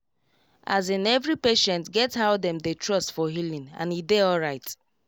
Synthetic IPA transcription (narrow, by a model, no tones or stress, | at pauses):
azɪ̃nɛvɹipeʃɛ̃ntɡɛtsaʊdɛ̃mdetɹɔstfɔɦilĩŋã̰nideɔlɹaɪt